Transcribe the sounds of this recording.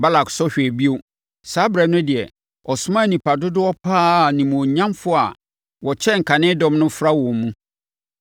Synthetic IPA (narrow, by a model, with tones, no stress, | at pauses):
ba˦la˨ksɔ˦ɕᶣbi˦o˦ | saː˨˦bɾɛ˨˦nʊ̃˦dɪ˨ɛ˨ | ɔ˨sʊ˦mã˦˨nĩ˨pa˨dʊ˦dʊ˦ɔ˦pʰaː˦˨nĩ˨m̃˨õ˨ɲã˦mfʊ˦a˨ | wɔ˨t͡ɕʰɛ˦ŋ̩˨kʰa˨nɪ̃˦dɔ̃˦mnʊ̃˦fɾa˦wɔ̃˨mmũ˦